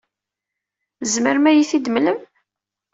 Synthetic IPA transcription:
əzməɾmæjiθid̪mləm

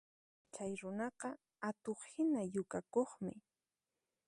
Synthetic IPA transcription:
t͡ʃajɾʊnɑqɑ | at̪oχhɪnajʊkakoχmɪ̰

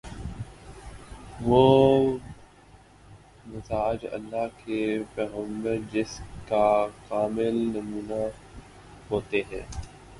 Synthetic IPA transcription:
ʋoː | mɪzaːd͡ʒɐ̰lːaːkepɛːɣə̃mbəɾd͡ʒɪskakaːmɪlnɐmuːna | ɦoːt̪eɦɛ̰̃ː

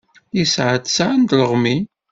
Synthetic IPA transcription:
jisʕəd̪sʕənd̪ləʁmi

